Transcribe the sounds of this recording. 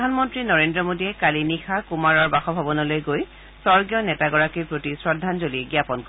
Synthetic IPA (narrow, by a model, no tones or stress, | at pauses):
dʱanmɔntɹinɔɹendɹɔmodiɛkalinixʰakumaɹɔɹbaxɔbʱabɔnɔlojɡoj | sɔɹɡijɔnɛtaɡɔɹakiɹpɹotisɹɔdʱːanzoliɛɡiapɔnkɔ